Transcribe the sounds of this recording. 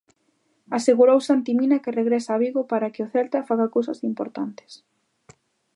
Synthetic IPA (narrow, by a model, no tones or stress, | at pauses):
aseɣuɾowsant̪iminakɪreɣɾɛsaːβiɣopaɾakɪʊθɛlt̪afaɣakowsɐ̰simpoɾt̪ant̪ɪ̥s